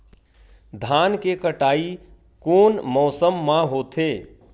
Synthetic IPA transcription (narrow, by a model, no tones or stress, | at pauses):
d̪ʱaːnkekəʈaːi | koːnmɔːsəmːãɦoːt̪ʰe